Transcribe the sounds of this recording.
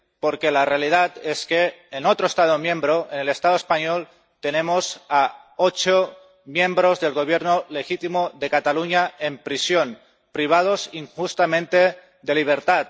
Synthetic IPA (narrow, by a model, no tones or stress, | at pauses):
poɾke̞larealið̞at̪e̞ske̞ːnot̪ɾoest̪að̞omjẽ̞mbɾoenele̞st̪aðoespaɲol | t̪e̞nẽ̞mosaot͡ʃo | mjẽ̞mbɾo̞zðe̞lɣo̞β̞je̞ɾnole̞xit̪imoðe̞kat̪aluɲae̞mpɾisjo̞n | pɾiβ̞að̞o̞siŋxust̪amẽ̞nt̪e̞ | d̪e̞liβ̞e̞ɾt̪at̪̚